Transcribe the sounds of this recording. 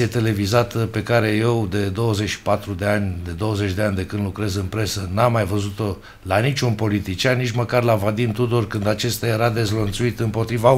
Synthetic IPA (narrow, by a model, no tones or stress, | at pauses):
iet̪e̞le̞vizat̪əpe̞kaɾe̞je̞wd̪e̞d̪o̞wəze̞t͡ʃʃi̥pat̪ɾud̪e̞anʲd̪e̞d̪o̞wəze̞t͡ʃʲd̪e̞anʲd̪e̞kɨnd̪lukɾe̞zɨnpɾe̞sənamːajvəzut̪o̞ | lanit͡ʃʲunpo̞lit̪it͡ʃianːit͡ʃməkarlavad̪imt̪ud̪orkɨnd̪at͡ʃe̞st̪aje̞ɾad̪e̞zlənt̪suit̪ɨmpo̞t̪ɾiva